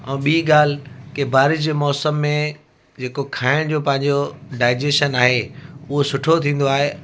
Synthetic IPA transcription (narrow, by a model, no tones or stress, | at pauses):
ɛ̃ːɓiːɠaːl̤ɪkebʱaːɾɪd͡ʑeːmɔːsəmːẽ | d͡ʑeːkokʰaːɪɽ̃d͡ʑoːpɐ̃ɦɪ̃ɲd͡ʑoɖaːɪd͡ʑeːʃənaːɦeʊɦosʊʈʰot̪ʰĩːnd̪oaːɦe